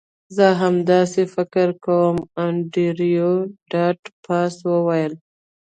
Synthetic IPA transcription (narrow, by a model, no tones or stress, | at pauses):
zəɦamd̪ɑsefɪkɾkawəmaɳɖiɾijoɖɑʈpʰɑswəwajəl